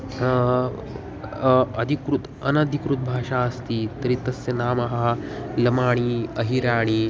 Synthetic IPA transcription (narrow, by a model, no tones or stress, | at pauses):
ɐd̪ʱikɾut̪ | ɐnɐd̪ʱikɾut̪̚bʱaːʂaːɐst̪iːt̪ɐɾiːt̪ɐsjɐnaːmɐɦɐlɐmaːɳ̃iːɐɦiɾaːɳ̃iː